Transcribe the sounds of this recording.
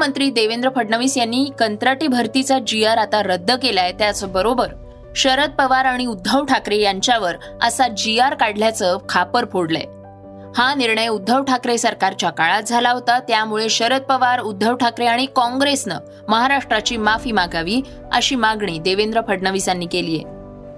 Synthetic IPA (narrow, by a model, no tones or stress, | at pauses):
mənt̪ɾiːd̪eʋend̪ɾəpʰəɖɳəʋiːsjanːiːkənt̪ɾaʈibʱəɾt̪it͡sad͡ʑiaɾat̪aɾəd̪ʱːəkelaet̪jat͡səbəɾobəɾ | ɕəɾət̪̚pəʋaɾaɽ̃iud̪ʱːəʋʈʰakɾejaɲt͡ɕjaʋəɾ | ə̰sad͡ʑiaɾkaɽljat͡səkʰapəɾpʰoɽlə̰ | haniɾɳəjud̪ʱːəʋʈʰakɾesəɾkaɾt͡ɕjakaɭat̪̚d͡zʱalaɦot̪at̪jamuɭeɕəɾət̪̚pəʋaɾud̪ʱːəʋʈʰakɾeaɽ̃ikɔ̃ŋɡɾesnə̰ | məɦaɾaʂʈɾat͡ɕiːmafiːmaɡaʋiː | ə̰ɕiːmaɡɳ̃iːd̪eʋend̪ɾəpʰəɽɳəʋisanːiːkelijḛ